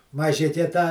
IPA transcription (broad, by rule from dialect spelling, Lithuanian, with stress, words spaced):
mɐˈʒʲɪkʲɛ tɑː